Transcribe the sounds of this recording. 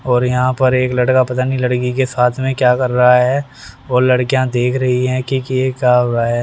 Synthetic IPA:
ɔːɾjɐɦãpɐɾeːklɐɽkapɐt̪anĩlɐɽkikesaːt̪ʰmẽkjaːkɐɾːɐɦaɦɛː | oːlɐɽkijãd̪eːkʰɾɐɦiɦɛ̃ːkikjekjaːɦoːɾaɦɛː

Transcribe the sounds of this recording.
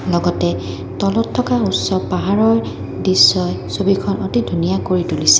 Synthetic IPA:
lɔɡɔtɛ | tɔlɔtʰːɔkautsɔpaɦaɹɔɹ | disːɔjsobikʰɔnʔotidʱunijakoɹitulisɛ̥

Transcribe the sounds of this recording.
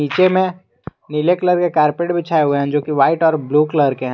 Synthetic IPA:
iːt͡ʃemẽ | nɪlekləɾkekaːɾpeːʈbʱit͡ʃʰaːeɦueɦɛ̃d͡ʒoːkiʋaːɪʈɔːɾbluːkləɾkeɦɛ̃

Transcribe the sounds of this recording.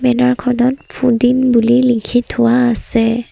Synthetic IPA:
bɛnaɹkʰɔnɔt̚pʰudinbulilikʰithʊwaːsɛ

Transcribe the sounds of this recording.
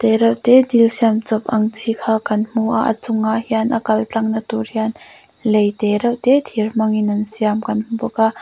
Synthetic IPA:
t̪ɛɾɐwt̪ɛdilsiamt͡sɔp̚ʔɐŋt͡sʰikʰakɐnm̥uʔaʔə̰t͡sʊŋːaʔhianʔəkɐlt͡ɬɐŋnɐt̪urhian | lejt̪ɛɾɐwt̪ɛt̪ʰirm̥ɐŋinɐnsiamkɐnm̥upɔkaʔ

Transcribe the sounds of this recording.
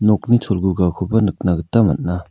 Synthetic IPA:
nok̚nit͡ʃʰolɡuɡakʰobɐnɯk̚naɡɯtːɐmɐ̰t̚na

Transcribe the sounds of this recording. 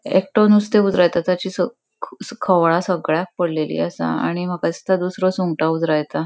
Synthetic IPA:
ek̚ʈonust̪eud͡zɾajt̪at̪at͡ɕiːsə | kʰəʋɭasəɡɭjak̚pəɽlelḭːasa̰aɽ̃im̤əkad͡zit̪ad̪usɾɔsuŋɡʈaud͡zɾajt̪a

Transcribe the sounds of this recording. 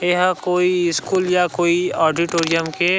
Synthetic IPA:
eɦkoːiɪskuːljakoːiɔːɾɖiʈoːɾijəmke

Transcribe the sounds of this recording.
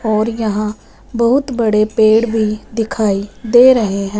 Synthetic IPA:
ɔːɾjəɦãː | bəɦʊt̪bəɽeːpeːɽʋʱiːd̪ɪkʰaːiːd̪eːɾəɦeɦɛ̃

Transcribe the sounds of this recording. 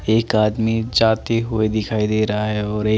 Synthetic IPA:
eːkaːd̪mid͡ʒaːt̪eɦued̪ɪkʰaːid̪eːɾɐɦaɦɛɔːɾeː

